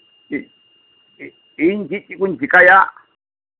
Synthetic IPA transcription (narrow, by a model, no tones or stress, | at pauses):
ɦind͡ʒit͡ʃʼikʼund͡ʒʱikʼaja